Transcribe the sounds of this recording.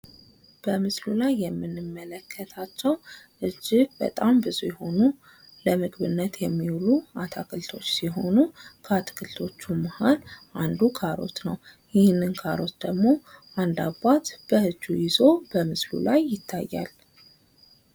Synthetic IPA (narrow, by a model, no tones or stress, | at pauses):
b̥əmɨslulajːɛmːɨnːɨmːələkʰːət̪ʰat͡ʃːɛwʔɨd͡ʒːɪb̥ə̰t̪ʼambɨzujɛho̞nu | ləmɨɡβɨnːət̪jɛmːiwluat̪ʰakʰɨlt̪ʰo̞t͡ʃːsiɦo̞nukʰat̪ʰɨ̥kʰɨlt̪ʰo̞t͡ʃːuməhalʔand̪ukʰaɾo̞̰t̪nəw | jɪhnːɨnkʰaɾo̞t̪d̪əɡmo̞ʔand̪abat̪b̥əʔɨd͡ʒːujɪzo̞b̥əmɨslṵlajːɪt̪ʰːajːa̰l